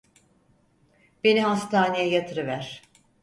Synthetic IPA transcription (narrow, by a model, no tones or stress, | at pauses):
b̥e̞niɦast̪ʰaːnejɛjat̪ʰɯɾɯvæɾ̥